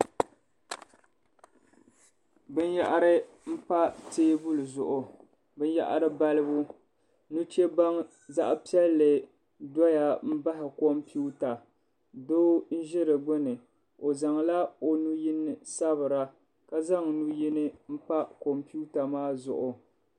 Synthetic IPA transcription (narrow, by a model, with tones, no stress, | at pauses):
bɨ˦nja̰˦ʔa˦ɾɨ˦ | m̩˦pa˦teː˦bu˦lɨ˨zʊ˨ʔʊ˨ | bɨ˦n˦ja̰˦ʔa̰˦ɾɨ˦ba˦lɨ˦bʊ˦ | nu˦t͡ʃe˦ba˦ŋ | za̰˦ʔpi˦ɛ˦lːɨ˨ | dɔ˦ja˨m̩˦ba˦ɦɪ˨ko˦mpu˦ta˨ | doː˦n̩˦ʒɪ˦ɾɨ˨ɡ͡bʊ˦nɨ˨ | o˨za˨ŋla˦o˨nu˦ji˦nɨ˦sa˦βɨ˨ɾa˦ | ka˦za˦ŋnu˦ji˦nɨ˦m̩˦pa˦ko˨mpi˦u˦ta˨maː˦zʊ̰˨ʔʊ˨